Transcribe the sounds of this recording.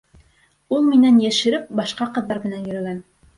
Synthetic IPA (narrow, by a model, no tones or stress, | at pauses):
ulˠminænjæʃɘ̆ɾɘp̚bɑʃqɑqɤ̆ðːɑɾmɘ̆nænjɵ̆ɾɘ̆ɡæn